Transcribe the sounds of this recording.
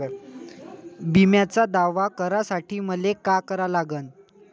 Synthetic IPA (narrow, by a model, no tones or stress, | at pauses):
bimjat͡sad̪aʋakəɾasaʈʰiːməlekakəɾalaɡən